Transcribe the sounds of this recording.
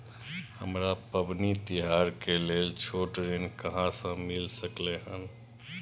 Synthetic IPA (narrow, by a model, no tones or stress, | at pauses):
həmɾapəbnit̪iɦaɾkelelt͡ʃʰoʈɾinkəɦãsə̃milsəkleɦən